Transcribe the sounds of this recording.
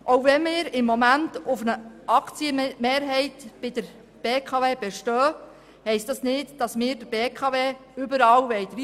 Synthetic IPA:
ʔowvɛnmɪːɾɪmːɔmæntʊfənəɑkt͡siəmeːɾɦɛɪtb̥ɪd̥əɾ | b̥eːkʰɑveːb̥ɛʃtœː | hɛɪstdɑsnɪtd̥ɑsmɪːɾd̥əb̥eːkʰɑveːʏbəɾɑːwʋɛɪt̪ʋi

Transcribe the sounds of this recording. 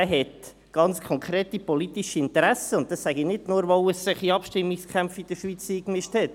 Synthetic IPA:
æɦɛt | ɡ̥ɑnt͡skʰχɔŋkχɾeːtipolitiʃiɪntəɾæsəʊnt̚d̥ɑsːæɡinɪdnʊːɾʋɔʊəssɪχiɑpʃtɪmːikskχæmpfid̥əʃʋit͡siːkmɪʃthɛt

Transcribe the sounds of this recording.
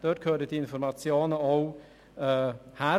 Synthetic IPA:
d̥øːt̚kʰøːɾdədiɪnfɔɾmɑt͡sjoːnəow | hæ

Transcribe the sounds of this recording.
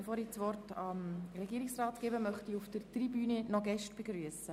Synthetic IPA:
əfoːɾit͡sʋɔrtɑmrɛɡiːɾɪksrɑːtkeːbəmœχtiufd̥ərtribyːnənɔɡɛʃtb̥eɡɾyəsə

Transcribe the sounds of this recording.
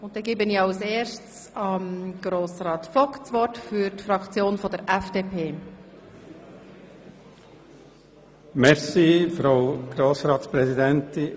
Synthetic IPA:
ʊnt̚d̥ɛɡeːbənɪiɑʊseːʃts | ɑmɡ̥ɾoːsrɑːt̪fɔkt͡sʋɔɾtfyɾtfɾɑkt͡sjoːnfɔdəɾʔɛfd̥eːpʰeː | mɛɾsifɾaʊɡ̥ɾoːsɾɑːt̪spɾɛzid̪ɛnt̪i

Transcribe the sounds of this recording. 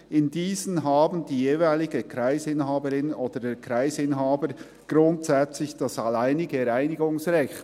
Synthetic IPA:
ɪndiːzənɦaːbən̩diːjeːvaɪlɪɡəkʰɾaɪsɪnɦaːbəɾɪnoːdədekɾaɪsɪnɦaːbəɾ | ɡ̥ɾʊntsɛt͡slɪçd̥ɑsalaɪnɪɡəɛɾaɪnɪɡʊŋsʁɛçt

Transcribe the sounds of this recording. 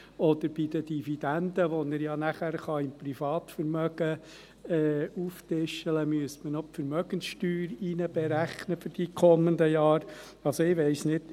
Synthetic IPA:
ɔd̪əɾb̥id̪əd̥̪ivid̥̪ænd̪əʋɔnəɾjɑnæχæɾχɑɪmpɾifɑːt̪fəɾmœɡ̥ə | ɛːuftɪʃələmyəstmənɔpfəɾmœɡ̥ənsʃtyːɾinəb̥ɛɾæχnəfʏɾd̥ikʰɔmːənd̪əjɑːɾ | ɑlsɔɪʋɛɪsnɪd̥

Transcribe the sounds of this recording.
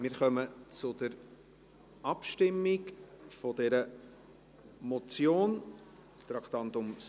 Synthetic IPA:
mɪɾχœmət͡sʊd̥əɾ | ʔɑpʃtɪmːɪkfɔdɛɾə | mɔt͡sjoːn | t̪ɾɑkt̪ɑnt̪ʊms

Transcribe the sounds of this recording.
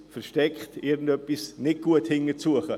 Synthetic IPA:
fɛɾʃtɛkχtɪɾɡn̩dœpːisnɪt̚ɡ̥uəthɪŋət͡suəχə

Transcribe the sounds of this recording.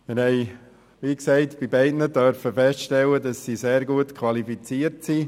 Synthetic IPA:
mɪɾhɛɪ | ʋiːksɛɪtb̥ibɛɪdnədœɾfəfɛstʃtɛlːədɑsːiseːɾɡuətkʰwɑlifit͡siːəɾtsi

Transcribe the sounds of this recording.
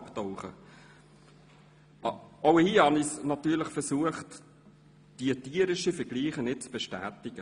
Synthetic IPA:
ptɔʊχə̰ | ɔwhiːhɑnɪsnɑt̪yːləχfɛɾsuəχt | d̥iətiːəɾɪʃifɛɡ̥liːχənɪt̚t͡sb̥eʃtæːtɪɡ̥ə

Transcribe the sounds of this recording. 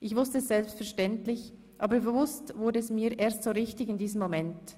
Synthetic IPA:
ʔɪçvʊstəɛsz̥ɛlpstfɛɐʃtɛntlɪç | ʔaːbəbəvʊstvʊɾdəɛsmiːɐʔeːɐstsoːɾɪçtɪçɪndiːzəmːomɛnt

